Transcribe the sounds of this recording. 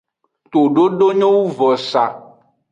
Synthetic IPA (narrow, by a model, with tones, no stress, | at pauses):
t̪o˨ɖo˦ɖo˦ɲɔ̃˦wu˦vɔ˨sa̰˨